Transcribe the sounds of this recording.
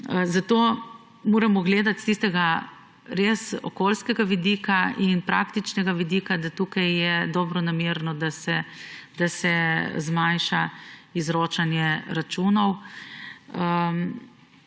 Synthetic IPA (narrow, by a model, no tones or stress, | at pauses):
zat̪oː | moːɾɛmɔɡleːd̪at̪st̪ist̪ɛɡa | ɾesɔ̰koːlskɛɡaʋid̪iːkainpɾa̰kt̪it͡ʃnɛɡaʋid̪iːkad̪at̪uːkajːɛd̪ɔːbɾɔnameɾnɔd̪asɛd̪̥asɛzmanʃaizɾoːt͡ʃanjɛɾat͡ʃuːnɔw | əm